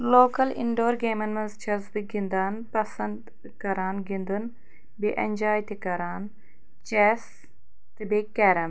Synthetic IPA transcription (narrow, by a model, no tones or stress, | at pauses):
loːkɐlḭɳɖoːɾɡeːmɐnmɐzt͡ʃʰɐzbiɡind̪aːnpɐsɐnd̪ | kɐɾaːnɡind̪un | biʔɐnʲd͡ʒaːjt̪ikɐɾaːn | t͡ʃɛs | t̪ɨbekːɐɾɐm